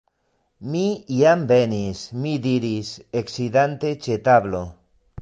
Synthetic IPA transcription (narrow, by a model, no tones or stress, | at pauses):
miiambenismid̪iɾiseksidant̪et͡ʃet̪aβlo